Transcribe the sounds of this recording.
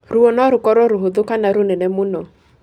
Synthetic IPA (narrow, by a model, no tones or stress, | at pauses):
ɾʊɔnɔɾʊkɔɾɔɾʊɦoðʊkanaɾonɛnɛmʊnɔ